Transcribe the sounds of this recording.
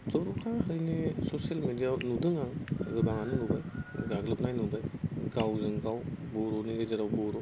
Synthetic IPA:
zɔɾukʰahɐɾɯjnisosijalmedijaɾnudɯŋaŋɡɯbaŋanɯnubajɡaɡlɯp̚najnubajɡawzɯŋɡawbɔɾɔniɡɯzaɾawbɔɾɔ

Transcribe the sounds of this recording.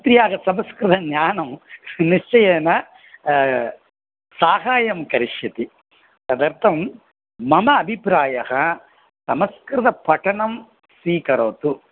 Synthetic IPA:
t̪ɾijaːɡɐsɐmɐskɾɐd̪ɐnjaːnɐmniʂt͡ʃɐjɛːnɐ | saːɦaːjɐmkɐɾiʂjɐt̪i | t̪ɐd̪ɐɾt̪ʰɐm | mɐmɐːbʱipɾaːjɐhɐ | sɐmɐskɾɐd̪ɐpɐʈɐɳɐm | siːkɐɾɐːt̪u

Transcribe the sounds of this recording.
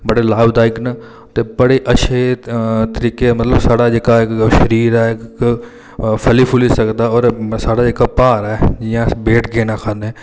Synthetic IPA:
bəɽeːlaːbd̪aːɪknə | t̪eːbəɽeːʔəʃʰeːt̪əɾiːkemət̪ləbsaːɽaːd͡ʒeːkaɪkʃəɾiːɾɛːk | pʰəliːpʰʊlisəkd̪aːɔːɾsaːɽaːd͡ʒeːkaːpaːɾɛːd͡ʒɪjãːbeːʈɡeːnaːkʰãːd̪eɛ̃ː

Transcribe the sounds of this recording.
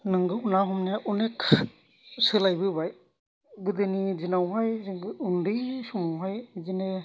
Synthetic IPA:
nɯŋɡɯunaɦɔmnjaʔunekʰ | sɯlajbɯbaj | ɡɯd̪ɯnizinawɦajziŋɡɯːŋdɯsumɦajzine

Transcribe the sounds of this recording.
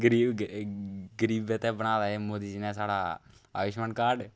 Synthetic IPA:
ɡəɾiː | ɡəɾiːbɛːt̪ɛːbəñaːd̪aːeːmoːd̪iːd͡ʒinɛ̃ːsaːɽa̰ː | a̰ːʋɪʃmənkaːɖ

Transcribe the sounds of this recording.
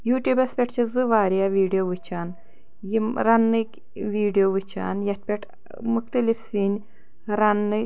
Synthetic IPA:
juːʈʲuːbɐspʲeʈt͡ʃʰizbɨʋaːɾijaʋiːɖijoʋɨt͡ʃʰaːn | jimɾɐnːɨkʲ | ʋiːɖijoːʋɨt͡ʃʰa̰ːnjɐt̪̚pʲeʈʰ | muxt̪ɐlifsinʲ | ɾɐnːɨ

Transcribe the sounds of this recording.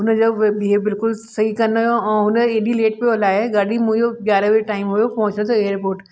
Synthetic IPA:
ɦʊnəd͡ʑoʋebiɦebɪlkʊlsɐɦikɐnojoɛ̃ːɦʊnəeːɗileːʈ̚peoːlaːɦeɡaːɽimũd͡ʒoɡjaːɾaʋeʈaːɪmɦujopɐɦʊ̃t͡ʃnet̪ʰoeːɾpoːɾʈ

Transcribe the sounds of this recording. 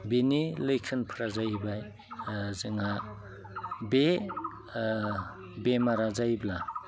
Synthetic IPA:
benilɯjkʰɯnpʰɾazajbaj | zɯŋa | be | bemaɾazajbla

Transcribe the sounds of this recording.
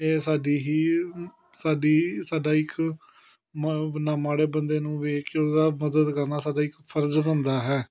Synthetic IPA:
eːsaːɖiːɦiː | saːɖiːsaːɖaːɪkʰ | mnaːmaːɽeːbənd̪eːnũːʋeːkod̪aːməd̪əd̪kəɾnaːsaːɖaːɪkpʰəɾd͡ʒbənd̪aːɦɛː

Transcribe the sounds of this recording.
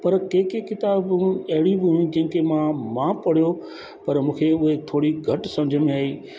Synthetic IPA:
pɐɾkeːkekɪt̪aːbũɐɦɪɽibʊjũd͡ʑɐ̃ɦɪ̃ŋkemãmãːpɐɽ̤jo | pɐɾmũːkʰeʊɦet̪ʰoːɽiɡʱɐʈsɐ̃md͡ʑʱəmẽaːɦiː

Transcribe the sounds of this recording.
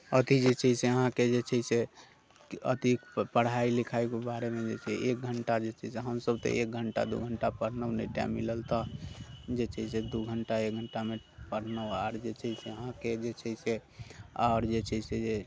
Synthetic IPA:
ət̪id͡ʒet͡ʃʰəseəɦãked͡ʒet͡ʃʰəise | ə̰t̪ikpəɽ̤ailikʰajkebaɾemed͡ʒet͡ʃʰɛʔek̚ɡʱəɳʈad͡ʒet͡ʃʰəseɦəmsəb̚t̪ɔ̰ʔek̚ɡʱəɳʈa̰d̪ṵɡʱəɳʈapəɽ̤nəwneʈja̰miləlt̪ə | d͡ʒet͡ʃʰəɦised̪uɡʱəɳʈaek̚ɡʱəɳʈame | pəɽ̤nəwaɾd͡ʒet͡ʃʰəiseəɦãked͡ʒet͡ʃʰəiseaɾd͡ʒet͡ʃʰəsed͡ʒe

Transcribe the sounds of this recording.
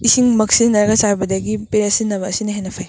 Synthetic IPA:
isiŋmɐksinnɐɾɐɡɐsajbɐdɐɡipeɾɐsinːɐβɐːsinɐɦenɐpʰaj

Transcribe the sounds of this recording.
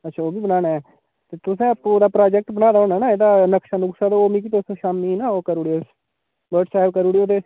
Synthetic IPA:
ətːʃʰaːoːbiːbənaːnaːɛː | t̪eːt̪ʊsɛ̃ːəpod̪aːpɾaːd͡ʒɛk̚ʈbənãːd̪aːoːnaːnaːed̪aːnəkʃaːnʊksaːd̪ooːmĩːkiːt̪osʃaːmiːnaːoːkəɾuːɽies | bəɾʈsaːɪbkəɾuːɽiːoːt̪eː

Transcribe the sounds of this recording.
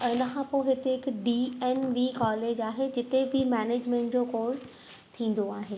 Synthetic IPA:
ɪnəkʰãpoɦɪt̪eɦɪkɖiɛːnʋiːkɔːleːd͡ʑaːɦed͡ʑɪt̪ebʱɪmɛːneːd͡ʑmɛ̃ːɳʈd͡ʑoːkoːɾs | t̪ʰĩːn̆d̪oaːɦeː

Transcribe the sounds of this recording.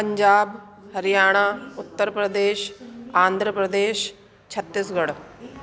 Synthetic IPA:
pə̃ɲd͡ʒaːb | həɾijaːɽ̃aːʊt̪ːəɾpɾəd̪eːʃãːnd̪ʱɾəpɾəd̪eːʃ | t͡ʃʰət̪ːɪsɡəɽ

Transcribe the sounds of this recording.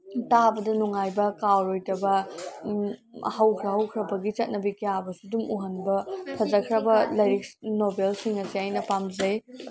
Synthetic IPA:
tabɐdɐnuŋajbɐkawɾojtɐbɐ | hɐwkʰɾɐɦɐwkʰɾɐbɐɡit͡ʃɐt̚nɐbikijabɐsudumuɦɐnbɐpʰɐzɐkʰɾɐbɐlɐjɾik̚snobelsiŋɐsiajnɐpamzɐj

